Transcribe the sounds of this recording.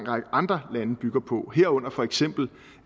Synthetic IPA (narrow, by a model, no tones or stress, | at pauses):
ŋ̰ʁɑɡəɑ̈nd̥ʁɐlænəb̥yɡ̥ɐpʰɒ̽ɦeɐ̰ɔ̽n̰ɐfɒ̽eɡ̥sem̰b̥l̩